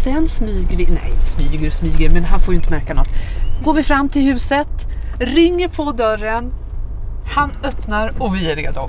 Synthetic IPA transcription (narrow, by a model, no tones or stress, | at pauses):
sɛnːsmyːɡəlɪɡnɛ̰jvɪsmyːɡəɾsmyːɡəɾmɛnɦanfoːɾjʏnt̪əmæɾkanɔt̪ːɡoːɾvɪfɾamːt̪ʰɪlhʉ̟ːsət̪ɾɪŋːəpʰɔd̪œɾən | hanœpnaɾɔvɪæɾḛːd̪ʊ